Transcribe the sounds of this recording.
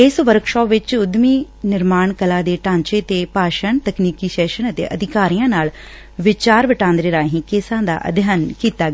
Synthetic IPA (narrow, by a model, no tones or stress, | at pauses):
ɪsʋəɾkʃɔːpʋɪt͡ʃʊd̪miː | nɪɾmaːɳkɐlaːd̪eːʈãːɲt͡ʃet̪eːpaːʃəɳt̪ɐkniːkiʃɛːʃənət̪ḛːʔɐd̪ʱɪkaːɾijãːnaːl | ʋɪt͡ʃaːɾʋɪʈãːnd̪ɾeːɾaːɦĩːkeːsãːd̪a̰ːʔɐ̰d̪ʱjaːnkiːt̪aː